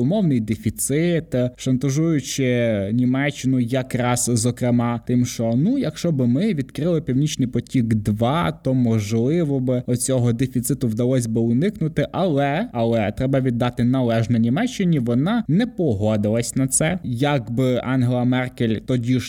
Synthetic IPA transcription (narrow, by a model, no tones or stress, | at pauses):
ʊmɔwnɪjd̪efʲit̪sɪt̪ʃɐnt̪ɐʒujʊt͡ʃɪnʲimɛt͡ʃːɪnʊjɐkɾɑzzɔkɾemɑt̪ɪmʃt͡ʃɔnujɐkʃt͡ʃɔbɪmɪʋʲid̪kɾɪlˠɪpʲiwnʲit͡ʃnɪjpɔtʲiɡd̪ʋɑt̪ɔmɔʒlˠɪʋɔbɪɔt͡sʲɔɦɔd̪efʲit̪sɪt̪ʊwd̪ɐlˠɔsʲbɪʊnɪknʊt̪ɪʔɐlˠɛɐlˠɛt̪ɾɛbɐʋʲid̪ːɑt̪ɪnɐlˠɛʒnɛnʲimɛt͡ʃːɪnʲiʋɔnɑnɛpɔɦɔd̪ɪlˠɐsʲnɐt̪sɛjɐɡbɪʔɑnɦelˠɐmɛrkʲelʲt̪ɔdʲiʃ